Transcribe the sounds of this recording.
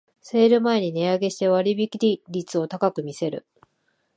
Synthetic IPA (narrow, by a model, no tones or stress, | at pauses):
se̞ːɾɯ̟mae̞ɲ̟ine̞aɡe̞ɕi̥t̪e̞βaɾʲibʲikʲiɾʲiɾʲit͡sɨo̞t̪akakɯ̟mʲise̞ɾɯ̟̰